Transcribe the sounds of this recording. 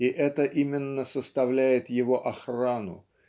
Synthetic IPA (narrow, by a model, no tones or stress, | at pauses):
ɪʔɛt̪əʔimʲɪnːəsəst̪ɐvlʲæjɪt̪jɪvo̞ʔɐxranʊ̰